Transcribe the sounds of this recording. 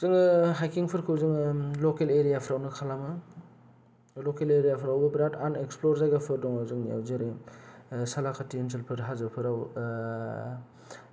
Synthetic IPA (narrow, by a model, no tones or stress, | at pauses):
zɯŋɦajkiŋpʰɯɾkʰɯwzɯŋlokeleɾijapʰəɾawnɯkʰalamɯ | lɔkeleɾijapʰɾawbɐbɾatʰaneksploɾzajɡapʰɯɾdɔŋawzɯŋnia̰wzeɾe | salakʰatiens̬ʰɯlpʰɯɾɦazɯpʰɯɾaw